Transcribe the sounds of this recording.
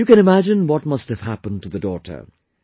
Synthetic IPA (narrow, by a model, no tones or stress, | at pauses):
jɨkɨ̃ñɨmæd͡ʒɨ̃nwʌt̚mʌsthɨv̥ɦæpə̃ntʰɨðədɔɾə̰˞